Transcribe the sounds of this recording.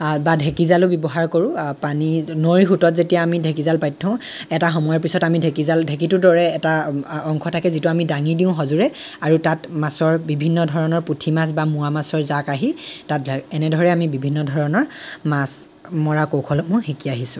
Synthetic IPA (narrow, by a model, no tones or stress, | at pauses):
badʱekizalʊbɔbɔɦaɹkoɹũpaninoɹixutɔtzetijaːmidʱekizalpajtʰːɔʊ̃ | ɛtaxɔmɔjɔɹpisɔtamidʱekizaldʱek̬itʊdɔɹɛːtaɔŋkʰɔtʰakɛzituamidaŋidiʊ̃ɦɔzuɹɛaɹutatmasɔɹbibʱinːɔdʱɔɹɔnɔɹputʰimas̬bamuamasɔɹzakaɦitatɛnɛdʱɔɹɛamibibʱinːɔdʱɔɹɔnɔɹmas | mɔɹakokʰɔlɔmʊ̃xikiaɦisʊ̃